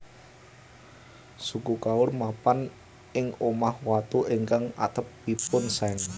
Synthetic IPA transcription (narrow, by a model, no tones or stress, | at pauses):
sukukaʊrmapan | ɪŋomahwat̪uɪŋkaŋa̰t̪əpːipʊnsɛŋ